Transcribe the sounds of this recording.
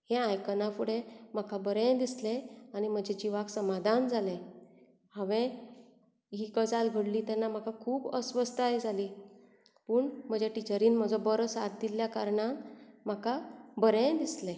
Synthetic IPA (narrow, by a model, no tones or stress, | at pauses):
hẽãjkənafuɽẽm̤akʰabəɾẽd̪isleañim̤əd͡ʑʱed͡ʑiʋaksəmad̪ʱand͡zʱale | haʋẽ | ɦiːkəd͡zalɡʱəɽliːt̪anːam̤akakʰuːbəsʋəst̪ajd͡zʱaliː | pəːɳm̤əd͡ʑeʈit͡ɕəɾiːnm̤əd͡zɔbəɾsat̪̚d̪iljakaɾɳãnm̤akʰabəɾẽd̪isle